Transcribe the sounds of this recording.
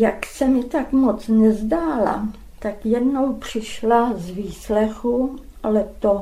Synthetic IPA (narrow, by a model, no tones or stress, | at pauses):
jaksɛmɪt̪akmo̞t͡snɛzdaːla̰ | t̪akjɛdno̞wpr̝̥ɪʃlazviːslɛxu | ʔalɛt̪o